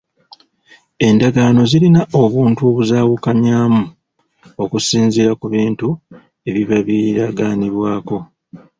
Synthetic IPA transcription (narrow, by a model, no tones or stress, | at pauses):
e̞ndaɡaːno̞zilinaʔo̞βuːntuoβuzaːwukaɲaːmu | o̞kusiːnziɾakuβiːntu | e̞βiβaβiɾaɡaːniβwaːko̞